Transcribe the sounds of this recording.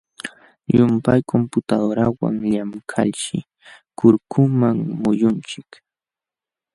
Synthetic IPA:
ʎʊmpajkʰompʊt̪ad̪oɾawa̰ŋʎamkʰa̰ʎʃɪ̰ | kʊɾkʰʊmaŋmʊjʊnt͡ʃɪk

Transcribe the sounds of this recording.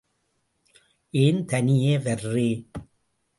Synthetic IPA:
ʔeːnt̪ɐnɪjeːʋɐrːeː

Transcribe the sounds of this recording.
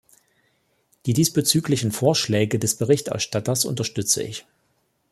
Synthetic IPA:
d̥iːdiːsb̥ət͡syːklɪçn̩foːɐʃlɛːɡədɛsb̥əʁɪçtʔɛ̰ɐʃtatɐsʔʊ̰ntɐʃtʏt͡sə̰ʔɪ̰ç

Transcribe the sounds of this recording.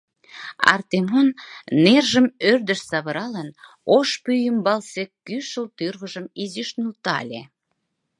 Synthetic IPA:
ɑ̰rt̪emonːerʒəmørd̪əʃsɑβə̆ɾɑlən | oʃpyjəmbɑlsekːyʃəlt̪yrɣə̆ʒəmizyʃnult̪ɑ̰lʲḛ

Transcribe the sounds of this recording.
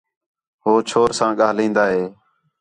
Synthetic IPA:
ɦoːt͡ʃʰoːɾsãːɠaːlĩːnd̪aːɦeː

